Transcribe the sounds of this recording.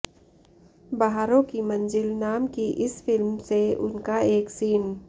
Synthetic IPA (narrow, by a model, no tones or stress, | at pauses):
baɦaːɾõkimɐ̃nd͡ʒɪlnaːmkiʔɪsfɪlmseʊ̰nkaeːksiːn